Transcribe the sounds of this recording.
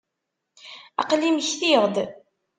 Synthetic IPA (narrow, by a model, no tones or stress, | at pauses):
ɑ̰qliməçθiʁd̪